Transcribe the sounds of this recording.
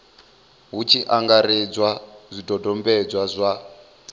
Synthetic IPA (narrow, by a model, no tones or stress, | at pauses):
ɦut͡ʃʰiʔaŋɡaɾid͡zwazʷidɔdɔmbɛd͡zwazʷa